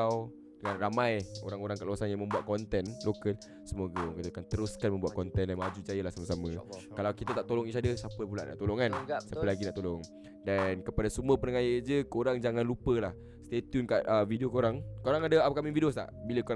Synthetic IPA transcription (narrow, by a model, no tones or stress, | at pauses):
w | dəŋanramãjo̰ɾaŋoɾaŋkəʔluasanjaŋmə̃mbuat̪̚kɔnt̪ɛnlokəl | səmoɡəɔŋkit̪akant̪əɾʊskanmə̃mbuat̪̚kɔnt̪ɛndanmad͡ʒud͡ʒajəlahsamasamə̃kalawkit̪at̪aʔt̪olɔŋisadəsapəpula̰ʔna̰ʔt̪olɔŋkansapəlaɡinaʔt̪olɔŋ | dankəpadasəmuəpənəŋajəd͡ʒəkoɾaŋd͡ʒaŋãnlupəlah | st̪et̪junkaʔəvidiokoɾaŋkoɾaŋadaapakamividiost̪a̰ʔbiləko